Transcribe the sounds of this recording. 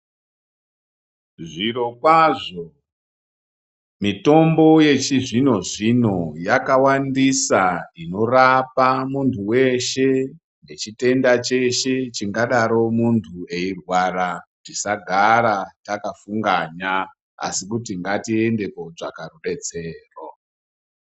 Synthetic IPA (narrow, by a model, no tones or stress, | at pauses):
ʐiɾo̞kwaʐo | mito̞mbo̞je̞t͡ʃiʐino̞ʐino̞jakawandisaino̞rapamuntʰuwe̞ʃe̞ | ne̞t͡ʃite̞ndat͡ʃe̞ʃe̞t͡ʃiŋɡaɗaɾo̞muntʰue̞irwaɾa | tisaɡʱaɾatakafuŋɡaɲa | a̰sikutiŋɡatiende̞ko̞d͡ʐakaruɗe̞t͡se̞ːro